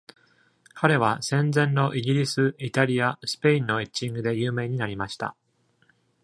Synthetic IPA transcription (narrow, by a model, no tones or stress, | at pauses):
kʰaɾe̞β̞asẽ̞nd͡zẽ̞nːo̞ʔiɡʲiɾʲisɨit̪aɾʲijasɨ̥pe̞ĩnːo̞et͡ɕĩŋɡɯ̟d̪e̞jɯːme̞ːɲ̟inaɾʲimaɕi̥t̪a̰